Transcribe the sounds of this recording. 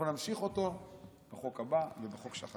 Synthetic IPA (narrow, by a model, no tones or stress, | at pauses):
onamʃiχo̞t̪o̞ | b̥eχo̞kabavebeχo̞kʃa̰χ